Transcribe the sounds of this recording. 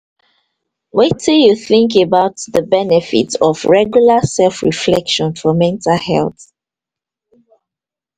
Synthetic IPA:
wɛtʰɪjuθɪ̃ŋkəbaʊtðəbɛnɛfḭtɔvɹɛɡjulasɛlfɹḭflɛkʃɔ̃nfɔmɛ̃ntalhɛ̰lθ

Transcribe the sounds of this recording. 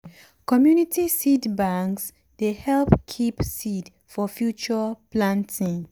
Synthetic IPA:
kɔmjunitisidbãŋks | d̥ehɛlpkʰipsid | fɔfjut͡ʃəplãntʰĩŋ

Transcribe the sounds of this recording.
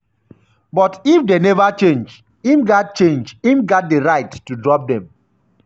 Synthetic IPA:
bɔtifdenɛvat͡ʃẽnd͡ʒ | imɡat̚t͡ʃẽnd͡ʒimɡat̚deɹaɪtːudɹɔp̚dɛ̃m

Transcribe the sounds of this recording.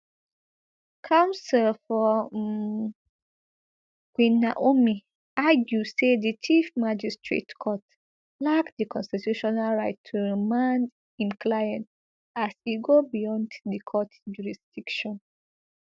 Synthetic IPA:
kʰãʊ̃nsɛlfɔ | ɡwĩnaʔomi | aɡjusedit͡ʃifmad͡ʒistɹḛtkʰɔt | lakdikɔ̃nstitjuʃɔnalɹaɪtʰːuɹimãnd | ĩmklajãnt | asiɡobijɔ̃nddikʰɔtd͡ʒuɹisd̥ikʃɔ̃n

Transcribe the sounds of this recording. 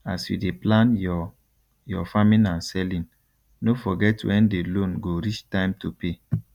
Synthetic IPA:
asjṵdeplãn | jɔfamĩnãnsɛlĩn | nofɔɡɛtwɛ̃ndelõnɡoɾit͡ʃtãɪ̃mtupe

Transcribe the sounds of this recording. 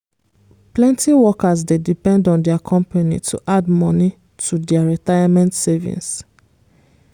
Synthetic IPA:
plɛ̃ntiwɔkas̬dedipɛ̃ndɔ̃ndɛakʰɔ̃mpanḭtʰuʔadmɔni | tʰudɛaɹitajamɛ̃ntsɛvḭ̃ns

